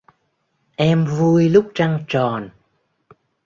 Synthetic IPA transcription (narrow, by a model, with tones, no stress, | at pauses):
ʔɛ˧mvu˧əjlʊ˦˥k͡p̚t͡ɕa˧ŋt͡ɕɔ˨˩n